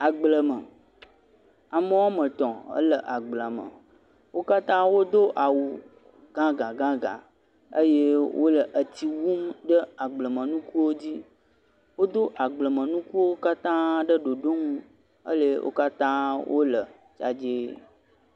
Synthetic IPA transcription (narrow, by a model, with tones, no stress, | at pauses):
a˨ɡ͡blə˨mə̃˨ | a˨mə̃˦wa˦mə̃˨t̪ɔ̃˨ə̰˦lə˨ʔa˨ɡ͡blə˨mə̰̃˨ | wo˦ka˦t̪ã˦wo˦d̪o˦ʔa˨wu˨ | ɡã˦ɡã˨ɡã˦ɡã̰˨ | ə̰˦je˦wʔo̰˦lə˨ʔə˨t̪i˨wu˦mɖə˦a˨ɡ͡blə˨mə̃˨nũ˦ku˦wo˦d͡ʑi˦ | wo˦d̪o˦ʔa˨ɡ͡blə˨mə̃˨nũ˦ku˦wo˦ka˦t̪ã˦ɖə˦ɖo˨ɖo˦ŋũ˦ | ə̰˦le˦wʔo̰˦ka˦t̪ã˦wʔo˦lə˨ | t͡ʃa̰˦d͡ʒe˦